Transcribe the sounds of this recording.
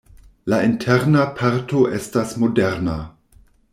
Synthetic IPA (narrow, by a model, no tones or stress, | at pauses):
laintʰeɾnapʰaɾto̞ʔe̞stasmo̞deɾna